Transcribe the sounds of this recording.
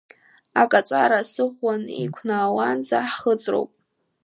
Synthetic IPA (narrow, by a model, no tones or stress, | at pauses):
akʼat͡sʷʼaɾasɨʁʷːanḭkʷʰnaːwanzaħχət͡sʼro̰wpʼ